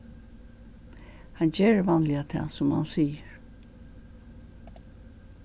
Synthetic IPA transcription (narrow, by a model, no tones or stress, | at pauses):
hand͡ʑeːɹvɑnlɪat̪ʰɛ̰ːsʊmha̰nsiːjəɹ